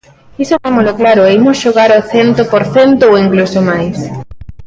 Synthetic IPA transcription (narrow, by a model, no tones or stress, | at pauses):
isot̪emoloklaɾoeimosʃoɣaɾoθent̪opoɾθent̪ooiŋklusomajs